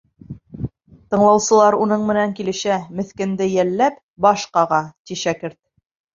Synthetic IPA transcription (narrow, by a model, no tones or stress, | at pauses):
t̪ɤ̆ɴlˠɑwsɤ̆lˠɑɾunɤɴmɘ̆næŋkilɘ̆ʃæmɘ̆θkɘ̆nd̪ɘjælːæp | bɑʃqɑʁɑt̪ʲiʃækɘɾt̪̚